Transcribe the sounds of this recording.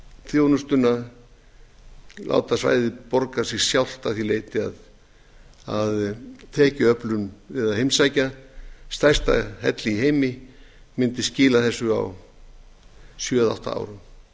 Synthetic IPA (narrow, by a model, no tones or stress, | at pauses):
θjoːwnʏst̪ʏnːa | lʔa̰ːwt̪asva̰ːjðɪpɔɾkasɪɣ̥sjawl̥t̪awθilejt̪ɪa̰ð | a̰ðt̪ʰɛːcɪœplʏnvɪðaðhejmsajcast̪ajst̪a̰hɛ̰t̪lɪːɦejmɪmɪnt̪ɪscɪːlaθɛsːʏa̰w | sjœːða̰wht̪a̰a̰ːwɾʏm